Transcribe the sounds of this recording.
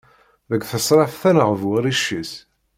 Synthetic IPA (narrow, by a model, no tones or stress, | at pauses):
ðəɡʷθəsˤɾˤɑfθænəʁəvwəɾiʃːis